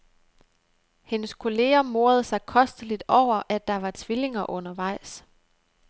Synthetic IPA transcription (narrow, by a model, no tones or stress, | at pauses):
henəskʰo̝le̝ːɐmo̝ːɐð̞̩ˠsɑ̈ɪkʰɒ̽sd̥əlid̥ɒʊ̰ɐʔæd̥ːɑ̈ʋɑ̈t͡sʰʋile̝ŋɐʔɔ̽nɐʋɑ̈ɪ̰s